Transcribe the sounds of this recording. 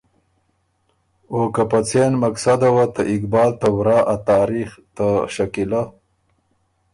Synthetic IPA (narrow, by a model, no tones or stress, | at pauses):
okapat͡senmaksad̪awat̪aʔɪkbɑːlt̪awɾɑʔat̪ɑːɾixt̪aʃakila